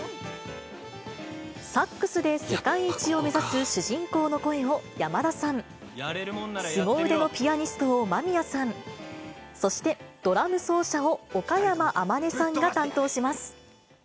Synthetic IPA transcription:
sakːɯ̟sɨd̪e̞se̞kaiːt͡ɕio̞me̞zasɨɕɨʑĩŋko̞ːno̞ko̞e̞o̞jamad̪asãŋ | sɨɡo̞ɯ̟d̪e̞no̞pʲijaɲ̟isɨ̥t̪o̞ːmamʲiasãɴ | so̞ɕi̥t̪e̞d̪̥o̞ɾamɯ̟so̞ːɕao̞okajamaʔamane̞sãŋɡat̪ãnt̪o̞ːɕimasɨ̥

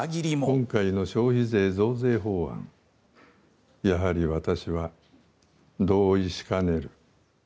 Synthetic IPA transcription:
ɡʲiɾʲimokõ̞ŋkaino̞ɕo̞ːçize̞ːzo̞ːze̞ːɦo̞ːã̰ŋ | jaɦaɾʲiβat̪aɕiβa | d̪o̞ːiɕi̥kane̞ɾɯ̟

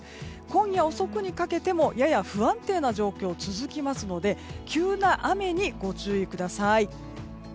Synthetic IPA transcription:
kõ̞ɰ̃jaoso̞kɯ̟ɲ̟ikake̞t̪e̞mo̞jajaɸɯ̟ãnt̪e̞ːnaʑo̞ːkʲo̞ːt͡sɨzɨkʲimasɨno̞d̪e̞kʲɨːnaʔame̞ɲ̟iɡo̞t͡ɕɨːikɯ̟d̪asai

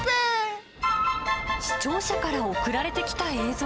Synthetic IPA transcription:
pɯ | ɕi̥t͡ɕo̞ːɕakaɾaokɯ̟ɾaɾe̞t̪e̞kʲi̥t̪ae̞ːzo

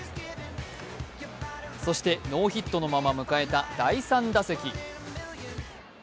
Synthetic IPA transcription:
so̞ɕi̥t̪e̞no̞ːçit̪ːo̞no̞mamamɯ̟kae̞t̪ad̪̥aisãnd̪ase̞kʲi

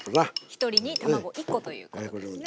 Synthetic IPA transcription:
βaçi̥t̪o̞ɾʲiɲ̟it̪amaɡo̞ʔikːo̞t̪o̞jɯ̰ːko

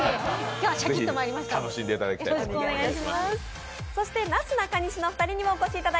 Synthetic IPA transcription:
kazeiçt̪ːomaːɾʲimast̪ano̞ɕĩnd̪e̞it̪ad̪akʲit̪aeɡaiɕimaa | so̞ɕi̥t̪e̞nat͡sɨnakaɲ̟iɕino̞ɸɯ̟̥t̪aɾʲiɲ̟imo̞ːko̞ɕiːt̪ad̪a

